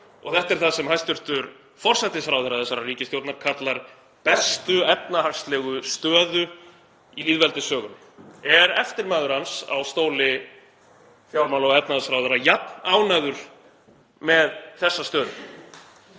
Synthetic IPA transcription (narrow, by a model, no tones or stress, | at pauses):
ɔ̰ɣθɛht̪ɛɾ̥θasɛmɦajst̪ʏɾ̥t̪ʏɾ | fɔr̥sɛt̪ːɪsfɾaːwðɛɾaθɛsːaɾariːcɪsjowt̪naɾkʰat̪laɾ | pɛst̪ʏɛp̚nahar̥st̪lɛːɣʏst̪œːðʏ | iliːðvɛlt̪ɪsœːɣʏn | ɛɾɛft̪ɪɾmaːðʏɾ̥hansa̰wst̪oːwlɪ | fjawlmawlɔɣɛpnaðsfɾaːwðɛɾajapnaːwnajðʏɾ̥ | mɛðθɛsːast̪œːðʏ̰